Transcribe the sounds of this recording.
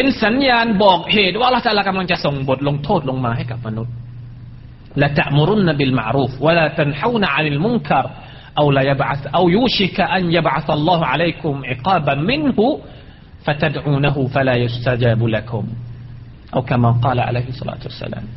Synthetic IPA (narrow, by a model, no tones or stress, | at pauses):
bɪnsanjaːnboːɡheːd̪wʔɑlːɑht̪aʔalːakamankasʊŋbʊd̪lʊŋt̪ʰoːd̪lʊŋmaɦekafmanːud̪̚ | lat̪aʔmʊɾʊnːabɪlma̰ʕɾuːfwalat̪anħawnaʕanalmʊŋkɑɾˤ | ʔawlajabʕaθʔawjuːʃɪkaʔanjabʕaθɑlˤːɑːhʕalajkʊmʕɪqɑːbamɪnhʊ | fat̪ad̪ʕuːnaɦʊfalaːjʊst̪ad͡ʒaːblakʰʊm | ʔawkamaqɑːlaʕa̰lejhsˤːɑ̰la̰ːt̪wa̰sːa̰la̰ːm